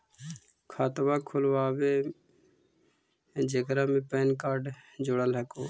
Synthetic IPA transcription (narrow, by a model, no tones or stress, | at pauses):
kʰaːt̪mãːkʰʊlʋaːʋeː | d͡ʒekɾãːmẽːpɛːnkaːɾɖd͡ʒʊɽəlɦɛkoː